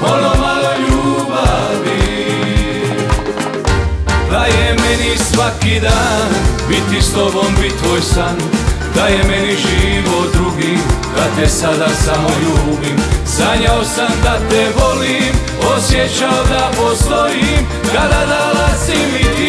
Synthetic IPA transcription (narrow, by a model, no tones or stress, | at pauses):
ponomaɡaʎuːba | ʋi | d̪ajemɛnisʋakid̪aːnbit̪ːist̪obombit̪ʋoːjsan | d̪̥ajemɛniʒiːʋod̪ɾuɡimkat̪ɛsad̪asamoʎuːd̪imsaɲaosamd̪at̪ɛeʋolim | osjɛt͡ʃaod̪apost̪ojim | kad̪ad̪alazimi